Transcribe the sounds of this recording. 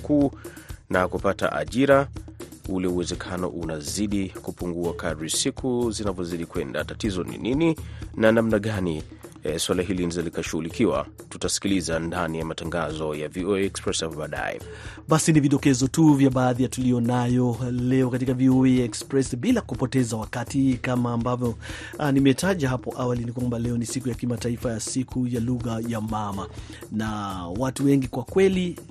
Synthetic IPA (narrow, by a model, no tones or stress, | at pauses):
kʰuːnakupata̰ʔa̰ʄiɾa | ulɛuwɛzɛkʰanɔ̰ʔunaziɗikupuŋɡuakaɾisikʰuzinavɔziɗikwɛnda̰tatizɔnḭnininanamnaɠaniswalaɦilinizalikaʃuɣulikiwa̰tutasi̥kilizandanijamataŋɡazɔjaviɔɛɛkspɾɛsapɔɓaːɗa̰jɛ̰ɓasiniviɗɔkɛzɔtuvjaɓaːðijatulijɔnajɔlɛɔkatikavioeɛkspɾɛsɓilakupɔtɛzawakatikamaːmbavjɔ | nimɛtaʄahɦapɔʔawalinikwambalɛɔnisikujakimataifajasikʰujaluɣajamama | nawatuwɛŋɡikwakwɛli